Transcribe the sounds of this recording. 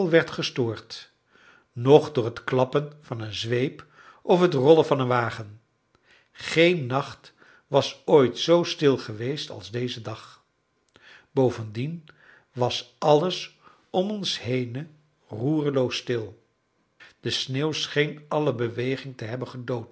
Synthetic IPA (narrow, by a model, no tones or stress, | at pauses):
lˠʋɛɹtχəstʊːɹt | nɔχdʊːɹɦətklɑpənvɑnənzʋejp | ɔfɦətrɔləvɑnənʋaːχən | χejnːɑχt | ʋɑsojtsowstɪlˠχəʋejstɑ̰lˠzdejzədɑχ | bowvəndin | ʋɑsʔɑləs | ɔmɔnsɦejnə | ruːrəlowsːtɪlˠ | d̥əsneːwsχejnɑləbəʋejχɪŋtəɦɛbənχədowt